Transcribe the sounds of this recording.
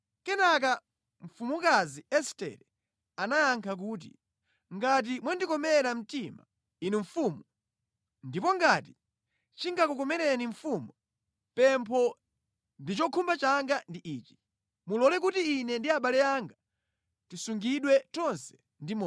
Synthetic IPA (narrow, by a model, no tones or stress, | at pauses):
kɛnak̬a | ɱ̩fumukaziɛstɛ̰ɾɛ | anajaŋkʰak̬uːt̬ḭ | ŋɡat̬imwandikɔmɛɾam̩tima̰ | inuɱfumu | ndipɔŋɡati | t͡ʃiŋɡakukɔmɛɾɛniɱfumu | pɛmpʰɔ | ndit͡ʃɔkʰumbat͡ʃaŋɡandiʔiːt͡ʃi̥ | mulɔlɛk̬utiːnɛndiaɓalɛaŋɡa | tisuŋɡiɗwɛt͡ʃɔnsɛ̥ | ndimɔ